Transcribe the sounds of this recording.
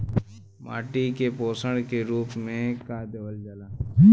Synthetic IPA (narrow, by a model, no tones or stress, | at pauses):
ma̰ːʈikepoːsəɽkeɾuːpmẽkad̪əʋəld͡ʒəlaː